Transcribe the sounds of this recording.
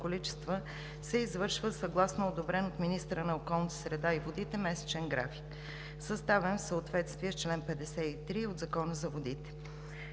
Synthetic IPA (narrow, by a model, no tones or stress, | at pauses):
kolit͡ʃɛ̥st̪və | sɛizvɤɾʃvəsəɡlˠasnood̪obɾɛnot̪minist̪əɾənɐokɔlˠnət̪ə̥sɾɛd̪aivod̪it̪ɛmɛsɛ̥t͡ʃɛnɡɾa̰fi̥k | səst̪avɛnfsəot̪vɛt̪st̪viɛst͡ʃlɛnpɛd̪ɛsɛit̪ɾiod̪zɐkɔnəzɐvod̪it̪ɛ̥